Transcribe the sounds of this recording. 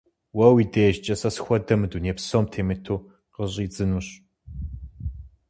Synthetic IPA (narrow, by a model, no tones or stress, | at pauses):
wɐwiːdeʒt͡ʃʼɐsɐsxʷɔdɐmɨduneːpsoːmtʰeːmɨtʰuː | qəɕʼiːd͡zɨnuɕ